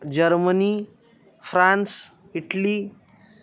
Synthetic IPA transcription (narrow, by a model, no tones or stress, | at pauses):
d͡ʑəɾməni | fɾãns | iʈli